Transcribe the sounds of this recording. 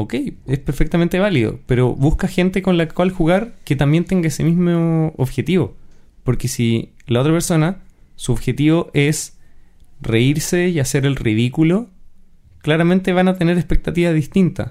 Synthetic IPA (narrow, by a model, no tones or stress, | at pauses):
oke̞jespeɾfek̚t̪ament̪e̞β̞aliðo̰pe̞ɾoβuskaxe̞nt̪eko̞nlakwalxuɣaɾket̪ambje̞nt̪eŋɡaese̞mizmooβxe̞t̪iβo̞̰po̞ɾke̞silao̞t̪ɾapeɾso̞nasuoβxe̞t̪iβo̞ʔe̞s | re̞iɾsejase̞ɾe̞lriðikulo̞ | klaɾament̪e̞βanat̪e̞ne̞ɾespek̚t̪at̪iβaðist̪int̪a̰